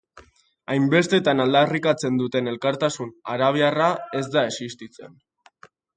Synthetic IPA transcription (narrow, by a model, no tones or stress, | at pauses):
ajmbe̞st̪e̞t̪anald̪arikat͡se̞nd̪ut̪e̞ne̞lkaɾt̪asunaɾaβ̞iarae̞zd̪ae̞sist̪it͡se̞̰n